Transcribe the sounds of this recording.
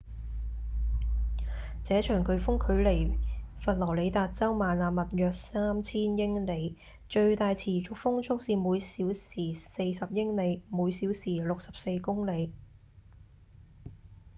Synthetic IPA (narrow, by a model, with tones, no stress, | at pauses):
t͡sɛː˨˥t͡ʃʰœː˨˩ŋkʰɵ˨˧ɥfʊ˥ŋkʰɵ˨˧˥ɥle˨˩jfɐ˨t̚lɔː˨˩le˨˧jt̪aː˨t̚t͡sɐ˥wmaː˨naː˨mɐ˨t̚jœː˨˧k̚saː˥mt͡sʰiː˥njɪ˥ŋle˨˧j | t͡ʃɵ˧ɥt̪aː˨jt͡sʰiː˨˩t͡sʊ˨k̚fʊ˥ŋt͡sʰʊ˥k̚siː˨˧muː˨˧jsiː˨˥wsiː˨˩se˧jsɐ˨p̚jɪ˥ŋle˨˧jmuː˨˧jsiː˨˥wsiː˨˩lʊ˨k̚sɐ˨p̚se˧jkʊ˥ŋle˨˧j